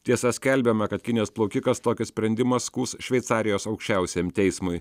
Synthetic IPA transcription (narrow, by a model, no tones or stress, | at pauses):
t̪ʲiɛsɐsʲkʲɛlʲbʲɛmɐkɐt̪kʲɪnʲjɛsplˠɐʊkʲɪkɐst̪oːkʲɪsʲpʲɾʲɛnʲd̪ʲɪmɐskuːsʃʲʋʲɛɪt̪sɑːɾʲɪjoːsɐʊkʃʲt͡ʃʲæˑʊsʲeːmt̪ʲɛɪsmʊɪ